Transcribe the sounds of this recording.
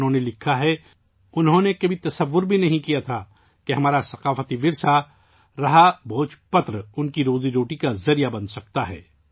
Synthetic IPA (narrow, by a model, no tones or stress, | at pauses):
ɦõːnelɪkʰaɦɛ | ʊnɦõnekɐbʱit̪ɐsɐʋːʊɾbʱinɐɦĩkijat̪ʰa | keɦɐmaːɾasɐqaːfət̪iʋɪɾsa | ɾɐɦabʱoːt͡ʃpɐt̪ɾəʊnkiɾoːziɾoːʈikazɐɾijabɐ̃nsɐk̚t̪aɦɛ̰ː